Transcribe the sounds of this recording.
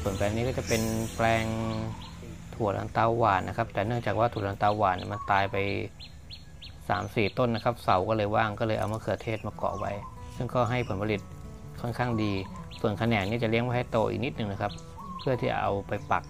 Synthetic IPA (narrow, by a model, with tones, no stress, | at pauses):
su˨˩ənplɛː˧ŋniː˦˥kɔː˥˩t͡ɕa˨˩pe˧nplɛː˧ŋ | t̪ʰu˨˩ət̪̚ʔa̰˧nt̪aː˧wːaː˨˩t̪nʔa˦˥kʰa˦˥p̚t̪ɛː˨˩nɯ˥˩əŋt͡ɕaː˨˩k̚waː˥˩u˨˩t̪ʔa˧t̪aː˧wwaː˨˩t̪nḭ˨˥˩ma˧nt̪aː˧jpa˧j | sa̰ː˩˦msiː˨˩t̪o˥˩nːa˦˥kʰa˦˥p̚sa˨˩˦wkɔː˥˩lɤː˧jwaː˥˩ŋkɔː˥˩lɤː˧jʔa̰˧wmaː˧˥˩kʰɯ˨˩ə˩t̪ʰeː˥˩t̪̚maː˧kɔ̰ː˨˩wa˦˥jsɯ˥˩ŋkɔː˥˩ɦa˥˩jpʰo˩˦npʰa˧li˨˩t̪̚ | kʰɔ˥˩nkʰaː˥˩ŋdiː˧ | su˨˩ənkʰa˧nɛː˨˩ŋniː˥˩t͡ɕa˨˩li˥əŋwaː˥˩ha˥˩jt̪oː˧ʔḭ˨˩k̚ni˦˥t̪̚nɯ˨˩ŋna˦˥kʰa˦˥pʰː | ɯ˥˩ət̪ʰiː˥˩a˨ʔa̰˧wpa˧jpa˨˩k̚